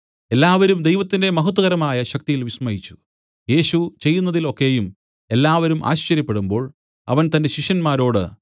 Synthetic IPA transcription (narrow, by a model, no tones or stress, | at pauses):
e̞lːaːʋɐɾumd̪ejʋɐt̪ːinde̞mɐɦut̪ːɐɣɐɾɐmaːjɐɕɐk̚t̪ijilʋiɕmɐɦit͡ɕːu̥ | je̞ːɕut͡ɕe̞jːun̪ːɐðilo̞kːe̞jum | e̞lːaːʋɐɾumʔa̰ːɕt͡ɕɐɾjɐpːe̞ɽumbo̞ːɭ | ɐ̰ʋɐnt̪ɐnde̞ɕiʂjɐnmaːɾo̞ːɽɨ